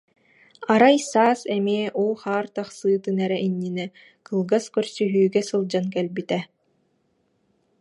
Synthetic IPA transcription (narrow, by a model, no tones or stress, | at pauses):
aɾajsaːsɛmeɛʔulˠχaːɾt̪aχsɯːt̪ɯnɛɾɛʔiɲːinɛ | kɯlˠɡaskœɾsyɦyːɡɛsɯlˠd͡ʑankɛlbit̪ɛ